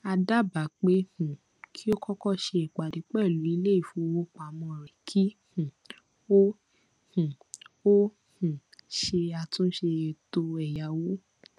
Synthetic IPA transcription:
a˧da˦˨ba˨k͡pe˦hũ˨ | kʰi˦o˦kɔ˦kɔ˦˨ʃe˧i˨k͡pa˨di˨˦k͡pɛ˦˨lu˨˦i˧le˦i˦˨fu˨˧˦o˧wo˦k͡pa˨mɔ̃˧˨ɾɛ˨kʰi˦hũ˨ | o˦ | hũ˨ | o˦ | hũ˨ | ʃe˧a˧tũ˦ʃe˧to˧ɛ˨ja˨wo˦

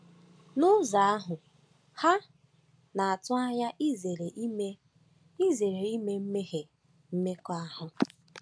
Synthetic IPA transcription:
nʊ˦za˨a˦ɦʊ˨ | ha˦ | na˨a˨tʊ˦a˦ja˦ʔi˦ze˨ɾe˨˦me˦ | i˦ze˨ɾe˨i˦me˦m̩˦me˦ɦe˨ | m̩˦me˦kɔ˦a˦ɦʊ˨

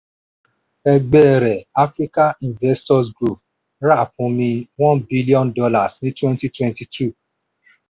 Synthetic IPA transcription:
ɛ˧ɡ͡bɛ˦˨ɾɛ˨a˦fɾi˦ka˦ĩ˨nvɛ˦stɔ˦sɡɾu˦˨f | ɾa˦˨fũ˧mĩ˧wɔ̃˦nbi˦li˦ɔ̃˦ndɔ˧la˨snĩ˦twɛ̃˦nti˦twɛ̃˦nti˨tʰu˦˨

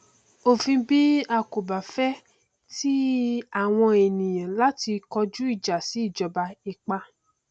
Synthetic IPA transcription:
o˦˨fĩ˧bi˦a˧ko˨ba˨fɛ˦ | ti˦a˦˨w̃ɔ̃˧e˨nĩ˨jã˨la˦ti˧kɔ˧d͡ʒu˦i˦˨d͡ʒa˨si˨˦i˦˨d͡ʒɔ˧ba˧i˧k͡pa˧

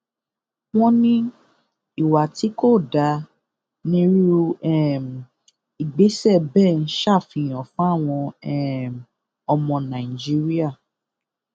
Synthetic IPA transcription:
w̃ɔ̃˦nĩ˦ | i˦˨wa˨ti˨˦ko˦˨da˧ | nĩ˦ɾi˦ɛ˦˨m˨ | i˨ɡ͡be˨˦sɛ˦˨bɛ˦˨n̩˦ʃa˦˨fĩ˧˨j̃ɔ̃˨fũ˦a˦˨w̃ɔ̃˧ɛ˦˨ | ɔ˧mɔ̃˧nã˨i˨d͡ʒi˦ɾi˦a˦˨

